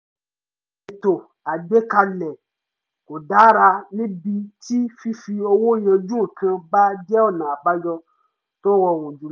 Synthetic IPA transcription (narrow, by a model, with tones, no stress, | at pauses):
i˨to˨ | a˨ɡ͡be˦ka˧lɛ˨ | ko˨da˨˦ɾa˧nĩ˦bi˧ti˦fi˦fi˧o˧wo˦˨j̃ã˧d͡ʒũ˦˨kã˧ba˦d͡ʒɛ˦ɔ˦˨nã˨ba˦d͡ʒɔ˧ | to˦wɔ˧˨wũ˨d͡ʒu˨˦